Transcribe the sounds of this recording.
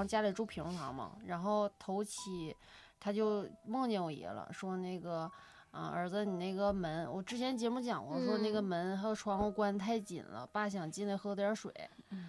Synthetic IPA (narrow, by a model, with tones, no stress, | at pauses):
ŋt͡ɕja˥li˨˩ʈ͡ʂu˥˩pʰi˧˥ŋfɑ̰˧˥ŋmə̰˧ɻa˧˥nxo˥˩ʊt̪ʰo˧˥ʊt͡ɕʰi˨˩˦ | t̪ʰa˥t͡ɕjo˥˧ʊmɤ˥˧ŋno˥˩wḭ˧˥lə̰˧ʂwɔ˥ne˥˩ɪɡə˩ | ə˧ə̰˞˧˥d͡zə˧ni˨˩ne˥˩ɪɡə˩mə˧˥nwɔ˨˩ʈ͡ʂɻ̩˥t͡ɕʰjɛ˧˥nt͡ɕjɛ˧˥mu˥˩t͡ɕjɑ˨˩˦ŋxwɔ˧˩ʂwɔ˥na˥˩ɡə˩mə˧˥nxa˧˥o˨˩ʊʈ͡ʂʰwɑ˧˥ŋ˧˥˩kwa˥nt̪ʰa˥˩ɪt͡ɕḭ˨˩nlə̰˦pa˥˩ɕ̬jɑ˨˩ŋt͡ɕi˥˩nə˥˩xɤ˥t̪ʰjɑ˧˥ʂwḛ˨˩˦ɪ